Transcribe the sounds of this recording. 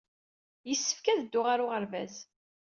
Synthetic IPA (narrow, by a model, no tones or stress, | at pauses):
jəsːə̥fkæðəd̪ːʊʁaɾʊʁəɾvæ̰z